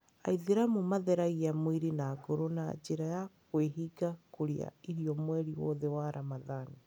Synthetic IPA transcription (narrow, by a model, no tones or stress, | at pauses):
a̰iðiɾamumaðɛɾaɣiamwiɾinaːɡoɾona̰d͡ʒeɾajakweɦiɡakoɾea̰iɾiɔmwɛɾiwɔ̰ðewaɾʔamaðani